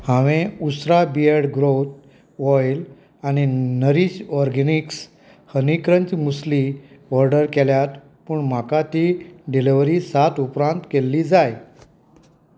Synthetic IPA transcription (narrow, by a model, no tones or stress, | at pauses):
hãʋẽusɾabiəɽɡɾot̪ | ʋɔjl | añinəɾiɕɔɾɡeniks | hənikɾənt͡ɕmusli | ʋɔɾɖəɾkeljat̪ | puːɳmakat̪iɖiliʋɾisat̪upɾãnt̪kelːiːd͡zaj